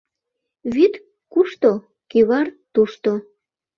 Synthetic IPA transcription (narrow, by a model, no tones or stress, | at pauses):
βit̪ | kuʃt̪o | kiβɑrt̪uʃt̪o